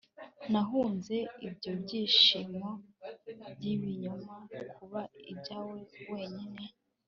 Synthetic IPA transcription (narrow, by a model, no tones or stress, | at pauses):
naɦuːnze̞ibɟo̞bɟiːʃimo̞ | bɟiβiɲumakʰuβaḭbɟaːwe̞we̞ːɲine̞